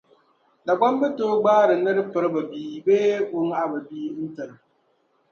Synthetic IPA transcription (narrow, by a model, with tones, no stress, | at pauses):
da˨ɡʷɔ˦mbɪ˦toː˦ɡ͡baː˦ɾɪ˨nɨ˦ɾpɨ˦ɾba˨biː˦beː˦kʊ˦ŋa˨ba˨biː˦n̩˦tɨ˨ɾ